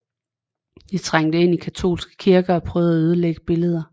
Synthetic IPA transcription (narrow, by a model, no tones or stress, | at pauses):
d̥it͡sʰʁaŋ̰d̥əe̝n̰ikʰæt͡sʰo̰ːlsɡ̥ə̥kʰiɐɡ̥ɐɒ̽pʰʁœːʊðˠæøð̞ˠəleɡ̥əb̥e̝ləð̞ˠɐ